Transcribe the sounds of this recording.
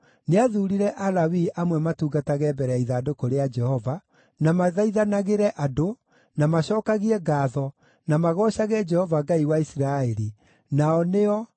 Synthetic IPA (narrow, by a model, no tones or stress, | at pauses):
neaðuːɾiɾɛʔalawiʔamwɛmatuːɡataɣɛbɛɾɛaiðaːdokoɾead͡ʒɛhɔva | namaðaiðanaɣeɾɛʔado | namaɕɔːkaɣiɛɡaːðɔ | namaɣɔɕaɣɛd͡ʒɛhɔvaɡaiwaisiɾaeɾi | naɔneɔ